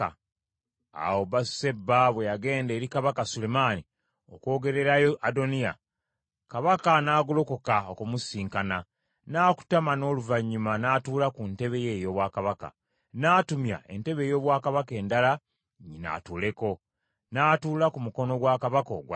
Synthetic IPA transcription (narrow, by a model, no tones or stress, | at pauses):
a | a̰woβasse̞bːaβwe̞jaɡe̞ːnde̞ːɾikaβakasule̞maːni | oko̞ːɡe̞ɾe̞ɾajoʔado̞nia̰ | kaβakanaːɡulo̞kokaokumusiːŋkana | naːku̥tamano̞ːluvaɲːumanaːtuːlakunte̞βe̞je̞ːjo̞ːβwaːkaβaka̰ | naːtumja̰e̞̰nte̞βe̞ːjo̞ːβwaːkaβake̞ːndala | ɲina̰ːtuːle̞ko̞ | naːtuːlakumuko̞no̞ɡwaːkaβako̞̰ɡw